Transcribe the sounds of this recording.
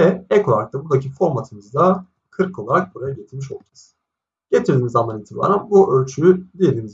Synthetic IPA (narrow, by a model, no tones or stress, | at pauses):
ɛɛkʰolˠaɾakt̪abud̪acʰifo̞ɾmat̪ʰɯmɯzd̪a | kʰɯɾkʰːo̞lˠaɾak̚buɾajaɟet̪ʰiɾmiʃolˠcʲʰɛs | ɟ̥e̞t̪ʰiɾd̪iːmizamd̪aniːt̪ʰiba̰ːɾanbuʔølʲt͡ʃʰyyd̪ijed̪ʲiːnmiz